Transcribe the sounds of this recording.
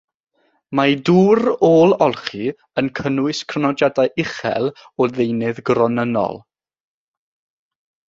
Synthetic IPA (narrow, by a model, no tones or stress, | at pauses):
maduːɾoːlˠɔlˠχi | ənkʰənʊɨskʰrnɔd͡ʒadajʔɪχɛ̰lˠ | ɔðejnɨðɡrɔnənɔ̰lˠ